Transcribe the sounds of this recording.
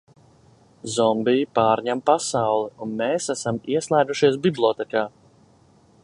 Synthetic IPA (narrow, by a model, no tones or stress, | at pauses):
zɔmbijipaːɾɲɛmpasawlˠiunmeːsæsamiɛslˠajd̪uʃiɛs̬biblˠɔt̪ɛkaː